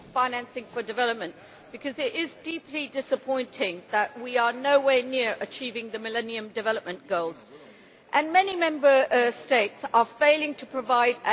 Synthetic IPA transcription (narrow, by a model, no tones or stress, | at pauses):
fãɪ̃næ̃nsɪ̃ŋfə˞dɨvɛlˠəp̚mə̃n | b̥ɨkʰʌzɪɾɪzdipʰlidɪsəpʰɔ̃ɪ̃ntʰɪ̃ŋðəʔwiə˞noʊweɪnɪɹʔɨt͡ʃʰivɪ̃ŋðɨmɨlɛniɨ̃mdɨvɛlˠəp̚mə̃nɡ̥oʊlˠz̥ | ʔə̃nmɛnimɛ̃mbə˞steɪtsə˞feɪlˠɪ̃ŋtʰəpʰɹ̥əvaɪɾɨ